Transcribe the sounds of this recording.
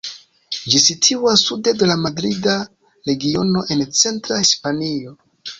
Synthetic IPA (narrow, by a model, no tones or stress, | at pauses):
d͡ʒisitʰuwasːude̞de̞lamadɾida | ɾe̞ɡio̞no̞ʔe̞nt͡se̞ntɾahispanio̞